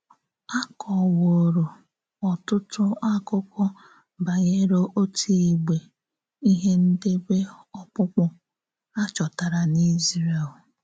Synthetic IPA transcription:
a˦kʰɔ˨wo˨ɾo˨ | ɔ˨tʊ˦tʊ˦a˦kʊ˦kɔ˦ | ba˨ɣe˦ɾo˦ʔo˦tʰi˦i˨ɡ͡be˨ | i˦ɦe˦n̩˦de˦be˦ɔ˦k͡pʊ˦k͡pɔ˦ | a˦t͡ʃɔ˨ta˨ɾa˨ni˦zɾe˨l

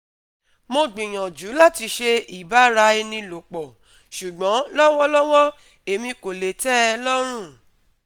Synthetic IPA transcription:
mo˧ɡ͡bĩ˨j̃ã˨d͡ʒu˨˦la˦˨ti˧ʃe˧i˨ba˨˦ɾa˧˦e˧nĩ˧lo˨k͡pɔ˨ | ʃu˨ɡ͡bɔ̃˨˦lɔ˦wɔ˦lɔ˦wɔ˦ | e˨mĩ˧ko˨le˨tɛ˦˧lɔ˦ɾ̃ũ˦˨

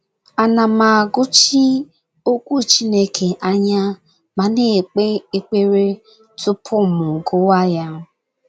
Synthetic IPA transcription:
a˨na˨ma˨ɡʊ˦t͡ʃi˦ | o˦kʷu˦˨t͡ʃi˦ne˦kʰe˨ʔa˦ɲa˦ | ma˨ne˦e˦k͡pe˦ɾe˦ | tʊ˦pʰʊ˦˨mʊ˨ɡʊ˦wa˦ja˦

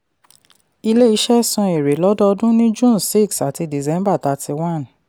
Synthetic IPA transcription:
i˧le˦i˨˦ʃɛ˦sɔ̃˧e˨ɾe˨lɔ˨˦dɔ˦ɔ˧dũ˦nĩ˦d͡ʒũ˦˨n˨si˦˨ksa˨ti˧di˨zɛ̃˨˦mba˦˨ta˧ti˧wã˦˨n

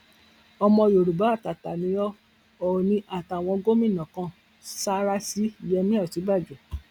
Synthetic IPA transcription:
ɔ˧mɔ̃˧jo˨ɾu˨ba˨˦˨ta˨ta˨nĩ˨˦jɔ˦ | ɔ˨nĩ˧ʔa˨ta˨w̃ɔ̃˧ɡo˦mĩ˦˨nã˨kã˧ | sa˦ɾa˦si˦i˨jɛ˧mĩ˦ɔ˦˨ti˨˦ba˦˨d͡ʒu˨

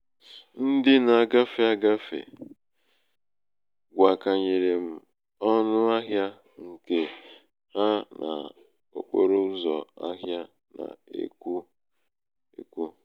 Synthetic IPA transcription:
n̩˦dɪ˦na˨a˨ɡa˦fe˨a˦ɡa˦fḛ˨ | ɡʷa˨ka˨ɲe˨ɾe˨m̩˨ | ɔ˦nʊ˦a˦ɦja˦ | ŋ̩˨ke˨ | ha˦na̰˨ | o̰˨k͡po̰˦ɾo˦n̩˦zɔ˨a̰˦ɦja˦ | na̰˨ḛ˦ku˦ | ḛ˦kʷu˦

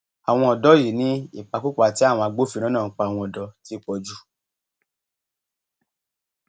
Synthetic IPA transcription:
a˨w̃ɔ̃˧ɔ˨dɔ˨˦ji˨˦nĩ˨˦i˦˨k͡pa˨˧ku˦k͡pa˧˨ti˨˦a˦˨w̃ɔ̃˧a˧ɡ͡bo˦fi˧ɾ̃ã˦nã˦˨˦k͡pa˧a˨w̃ɔ̃˧ɔ˨dɔ˧ti˦k͡pɔ˧d͡ʒu˦˨

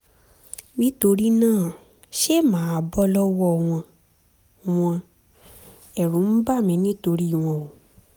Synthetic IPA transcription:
mĩ˦to˧ɾi˦nãː˦˨ | ʃe˦˨mãː˨˦˨bɔ˦lɔ˦wɔ˦˨w̃ɔ̃˧ | w̃ɔ̃˧ | ɛ˨ɾũ˨˦m̩˦ba˦˨mĩ˧nĩ˦to˧ɾi˦i˦˨w̃ɔ̃˧o˨

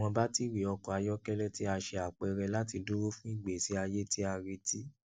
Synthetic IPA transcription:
ɔ̃˧ba˦ti˦wi˨ɔ˧kɔ˨a˧jɔ˦kɛ˦lɛ˦ti˦a˧ʃe˧a˨k͡pɛ˨˧ɾɛ˧la˦ti˧do˦ɾo˦fũ˦i˦˨ɡ͡be˨si˨˦a˧je˦ti˦a˧ɾi˧ti˦

